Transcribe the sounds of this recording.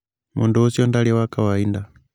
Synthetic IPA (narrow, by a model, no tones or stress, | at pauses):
mʔunduɔsiɔndaliwakawainda